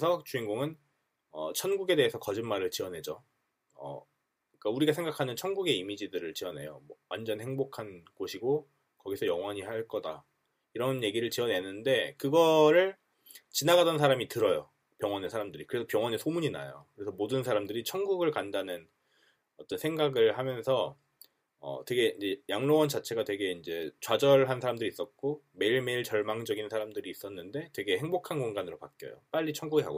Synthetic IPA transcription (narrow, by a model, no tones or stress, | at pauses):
esʰʌt͡ɕuiŋɡoŋɯn | ʌ̰t͡ɕʰʌnɡuɡe̞de̞ɦesʰʌkʌd͡ʑinmaɾɯɭt͡ɕiʌnɦe̞d͡ʑo̰ | ʌ̰ | ik͈auɾiɡasʰe̞ŋɡakʰanɯnt͡ɕʰʌnɡuɡe̞imid͡ʑidɯɾɯɭt͡ɕiʌne̞̰jo̰mʌwand͡ʑʌnhe̞ŋbokʰanɡoɕʰiɡo | kʌɡisʰʌjʌŋwaɲihaɭk͈ʌda̰ | iɾʌnje̞ɡiɾɯɭt͡ɕiʌnɦe̞nːɯnde̞kɯɡʌɾɯɭ | t͡ɕinaɡadʌnsʰaɾamitɯɾʌjo | pjʌŋwʌnesʰaɾamdɯɾikɯɾe̞sʰʌpjʌŋwʌnesʰomuɲina̰jo̰kɯɾe̞sʰʌmodɯnsʰaɾamdɯɾit͡ɕʰʌŋɡuɡɯɭkandanɯn | ʌt͈ʌnsʰe̞ŋɡaɡɯɭhamjʌnsʰʌ | ʌ̰twe̞ɡe̞iɲd͡ʑe̞jaŋnowʌnt͡ɕat͡ɕʰe̞ɡatwe̞ɡe̞ind͡ʑe̞t͡ɕwad͡ʑʌɭɦansʰaɾamdɯɾiːs͈ʌt̚k͈ome̞iɭme̞iɭt͡ɕʌɭmaŋd͡ʑʌɡinsʰaɾamdɯɾiːs͈ʌnːɯnde̞twe̞ɡe̞he̞ŋbokʰankoŋɡanɯɾopak͈jʌ̰jo̰p͈aʎːit͡ɕʰʌŋɡuɡekʰa̰ɡo